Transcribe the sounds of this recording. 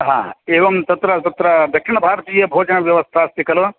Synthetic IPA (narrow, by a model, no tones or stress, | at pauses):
ɦã̰ːeːʋɐmt̪ɐt̪ɾɐt̪ɐt̪ɾɐd̪ɐkʂiɳɐbʱaːɾɐt̪iːjɐbʱoːd͡ʒɐɳɐʋjɐʋɐst̪ʰaːst̪ikɐlo